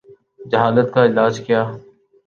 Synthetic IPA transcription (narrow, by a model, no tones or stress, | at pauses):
d͡ʒəɦaːlət̪kaːɪlaːd͡ʒkɪjaː